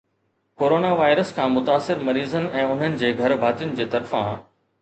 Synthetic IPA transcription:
koːɾoːnaʋaːɪɾəskʰãːmʊt̪aːsɪɾmɐɾiːzənɪ̆ɛ̃ːʊn̤ənɪ̆d͡ʑeːɡʱɐɾbʱaːt̪ijʊnɪ̆d͡ʑeːt̪ɐɾfã̰ː

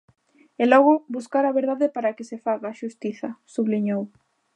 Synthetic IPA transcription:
elɔɣ̞ʊbuskaɾɐβeɾðaðɪpaɾakɪsefaɣaːʃust̪iθɐsuβliɲow

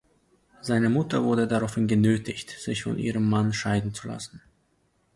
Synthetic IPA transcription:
z̥aɪnəmʊtɐvʊɐdədaʁaʊfhɪnɡənøːtɪçtz̥ɪçfɔ̰nʔḭːʁ̞əmːanʃaɪdn̩t͡sula̰sn̩

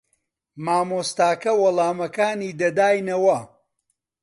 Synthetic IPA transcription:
maːmoːst̪aːkɐwɐlˠaːmɐkaːniːd̪ɐd̪aːjnɐwɐ

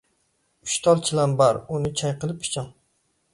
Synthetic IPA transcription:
ʊ̥ʃt̪ʰɒlˠt͡ʃʰɪlanbaɾʊnɪt͡ʃʰajqɨlˠɪp̚ːʰɪ̥t͡ʃʰɒn

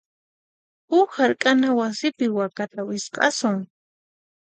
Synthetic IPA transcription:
ʊhaɾkʼanawasɪpɪwakat̪awɪsqʼɑ̰sʊŋ

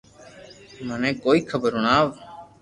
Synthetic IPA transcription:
mənɛ̃ːkoːiːkʰəbəɾʊnaːʋ

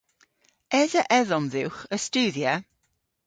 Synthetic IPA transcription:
ɛzəʔɛðɔnðɪwχəstuːðjə

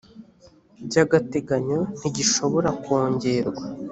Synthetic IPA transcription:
bɟaːɡate̞ɡaɲo̞n̥iɟiʃo̞βo̞ɾakwo̞ːɲɟe̞ɾɡwa

